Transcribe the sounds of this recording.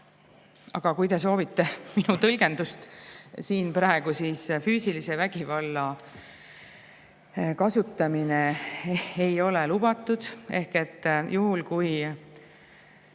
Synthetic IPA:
ɑ̰ɡ̥ɑkujt̪e̞s̬o̞ːvit̪ːe̞minut̪ɤlɡ̥e̞nd̪ust̪siːnpɾɑeɡ̥usiːsfyːsilise̞væɡ̥ivɑlːɑ | kɑsut̪ːˑɑmine̞ | ejo̞le̞lub̥ɑt̪ːˑud̪̥e̞hke̞t̪ːjuɦulkuj

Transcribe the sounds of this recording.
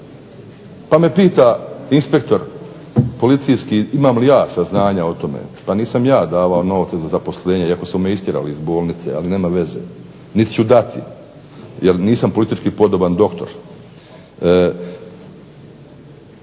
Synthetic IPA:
pame̞piːt̪ainspe̞kt̪o̞ɾ | po̞lit̪sijskiimaːmlijaːsaznaːɲao̞t̪o̞mḛpaniːsamjaːd̪aːʋaono̞ʋt̪sezazapo̞sleːɲeiako̞somːjeist̪ʲjeɾa̰liizbo̞ːlˠnit̪sḛa̰line̞ːmaʋe̞zḛ | nit̪t͡ɕud̪at̪ḭ | jeɾniːsampolit̪it͡ʃkipo̞d̪oband̪o̞kt̪o̞ɾ

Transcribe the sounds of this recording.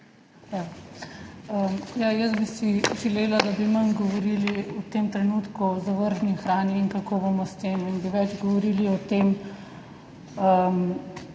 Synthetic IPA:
ja | əmjajəsbisiʒɛleːlad̪abimɐnɡɔʋɔɾiliɔt̪emt̪ɾɛnuːt̪kuɔzaʋəɾʒnixɾaːniːŋkɐkoːbomɔst̪eminbiʋɛd͡ʒɡɔʋɔɾiːliɔt̪eːm | əm

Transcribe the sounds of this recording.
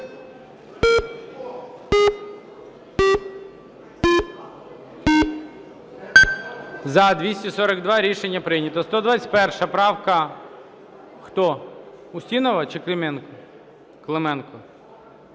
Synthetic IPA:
zɐd̪ʋʲisʲtʲisɔɾɐɡd̪ʋɑɾʲiʃenʲːɐpɾɪjnʲɐt̪ɔst̪ɔd̪ʋɑt͡sʲə̥t̪̚ʲpɛrʃɐpɾɑwkɐ | xt̪ɔʊsʲtʲinɔʋɐt͡ʃɪklˠemɛnkɔ | klˠemɛnkɔ

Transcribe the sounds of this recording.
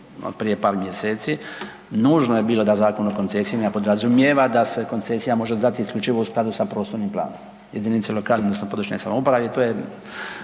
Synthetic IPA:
o̰pɾije̞paːɾmjeseːt̪si | nuːʒnojebiːlˠo̞d̪azaːkonokont̪sesijimjapo̞d̪ɾazumjeːʋad̪ase̞ko̞nt̪sesijamo̞ʒeod̪at̪iːskʎʲut͡ʃiʋousklˠad̪usapɾo̞ːst̪oɾnimplˠa̰ːnom | jed̪innit̪selˠo̞kaːlned̪nosnopo̞d̪ɾuʃɲojsa̰moupɾaʋit̪oːje

